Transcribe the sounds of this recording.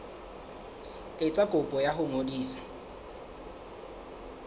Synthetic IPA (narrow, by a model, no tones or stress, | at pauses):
ɪt͡sʼakʼʊpʼɔjaɦʊŋodiːsḁ